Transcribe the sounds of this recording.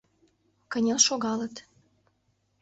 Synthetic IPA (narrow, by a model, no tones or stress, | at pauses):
kə̆nʲelʃoɣɑlət̪